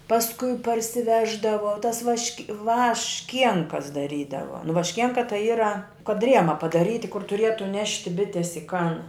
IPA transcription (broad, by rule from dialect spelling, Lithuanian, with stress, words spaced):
pɐsˈkʊɪ pɐrʲsʲɪˈʋʲæːʒdɐʋoː tɐs ʋɐʃʲkʲ ʋɐʃʲˈkʲiɛŋkɐs dɐˈrʲiːdɐʋoː nʊ ʋɐʃʲˈkʲiɛŋkɐ tɐɪ ˈiːrɐ kɐt ˈrʲiɛmɐ pɐdɐˈrʲiːtʲɪ kʊr tʊˈrʲiɛtʊ ˈnʲæːʃʲtʲɪ ˈbʲɪtʲeːs ɪ kɐn